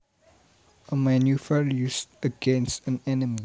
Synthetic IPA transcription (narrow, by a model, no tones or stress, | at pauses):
əmanjufəljustəɡɛ̃nstə̃nɛnəmi